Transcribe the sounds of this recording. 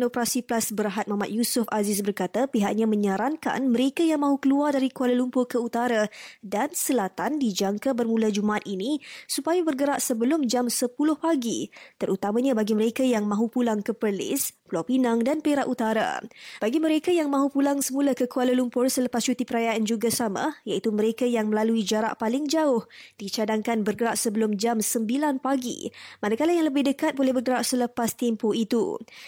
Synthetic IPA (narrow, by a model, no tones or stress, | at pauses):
nopəɾasiplasbəɾaɦat̪̚mamat̪̚jusʊfazɪs̬bərkat̪apiɦaʔ̚ɲãmə̃ɲaɾaŋka̰nməɾekajaŋmãɦukəluardaɾikualəlumpʊrkəut̪aɾadansəlat̪andid͡ʒaŋkabərmũlad͡ʒumaʔat̪̚inisupajabərɡəɾaʔsəbəlʊmd͡ʒamsəpulʊhpaɡit̪əɾut̪amãɲabaɡiməɾekajaŋmãɦupulaŋkəpərlɪ̰spulawpinaŋdanpeɾaʔut̪aɾa̰b̥aɡiməɾekajaŋmãɦupulaŋsəmũlakəkualəlumpʊrsələpast͡ʃut̪ipəɾajaʔand͡ʒuɡasamã̰jait̪uməɾekajaŋməlaluid͡ʒaɾa̰ʔpalɪŋd͡ʒaʊhd̥it͡ʃadaŋkanbərɡəɾaʔsəbəlʊmd͡ʒamsəmbilanpaɡḭmanakalajaŋləbɪhdəkat̪̚bolɛhbərɡəɾaʔsələpast̪ɛmpoit̪ṵ